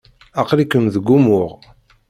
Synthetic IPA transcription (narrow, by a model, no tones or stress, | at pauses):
ɑqɾikːəmðəɡːumʊʁ